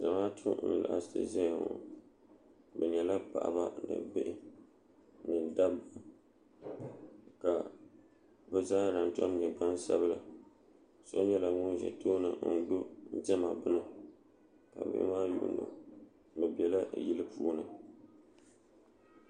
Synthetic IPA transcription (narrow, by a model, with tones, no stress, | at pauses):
za˨maː˦tʰʊ˦n̩˨la̰˨ʔa˨stʰɨ̰˦zɛ˦˨ŋo̰˨ | bɛ˨ɲɛ˨la˦pa̰˨ʔa̰˨ba˦nɨ̰˨bɪ˦ʔɪ˦ | nɨ˨da˦b | ka˨ | bɛ˦zaː˦ɾa˨ntɔ˦m˦ɲɛ˨ɡ͡ba˦n˦sa̰˦βɨ˦la˨ | so˦ɲɛ˦la˨ŋʊ˦nʒɛ̰˨toː˦nɨ̰˨n̩˦do˦n̩˦tɛ˦ma˨bɨ˦nɨ˦ | ka̰˨bɪ̰˦ʔɪ̰˦maː˦jṵ˦ʔʊ̰˦nɨ̰˨ | bɨ˨bɛ˨la˦ji˦lɨ˦puː˦nɨ˨